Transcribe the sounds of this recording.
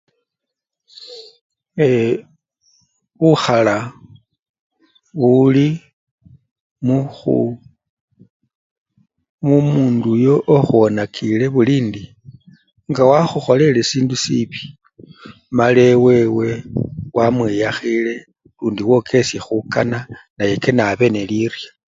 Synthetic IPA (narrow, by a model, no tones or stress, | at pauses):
e | βuxala | βuli | muxṵ | mumuːndujo̞ʔoxuonakʰile̞βuliːndi | ŋɡawaxuxo̞le̞le̞siːndusipi̥ | male̞we̞we̞wamwejaxile̞ | luːndiwo̞kʰe̞sje̞xukananaje̞ke̞naβe̞ne̞lirjḁ